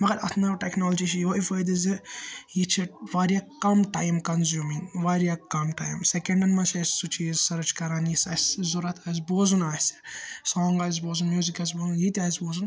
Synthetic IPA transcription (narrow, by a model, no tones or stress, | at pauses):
mɐɡɐɾɐt̪ʰnɐɾʈeknɔːld͡ʒit͡ʃʰijoːʔifɐjd̪izijit͡ʃʰiʋaːɾijakɐmʈaːjmkɐnzjuːmiŋʋaɾijakɐmʈa̰ːjmsekɐɳɖɐnmɐt͡ʃʰɐssut͡ʃʰizsɐɾɐt͡ʃkɐɾaːnjisɐszuɾɐt̪ʰaːs̬boːzunaːsisɔːŋɡaz̬boːzunmjuːzikaːz̬boːzunjit̪ʲiaːisboːzun